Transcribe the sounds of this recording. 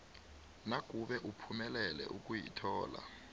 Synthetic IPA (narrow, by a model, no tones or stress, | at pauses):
nak̬ʼuɓɛʔupʰumɛlɛlɛ̰ʔukʼujḭtʰɔːla̰